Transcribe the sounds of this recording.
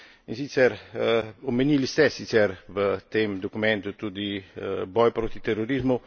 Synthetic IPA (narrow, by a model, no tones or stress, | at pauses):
insit̪sɛɾ | omenilist̪ɛsit̪sɛɾvət̪emd̪okumɛnt̪ut̪ud̪iəbɔjpɾot̪it̪eroɾizmu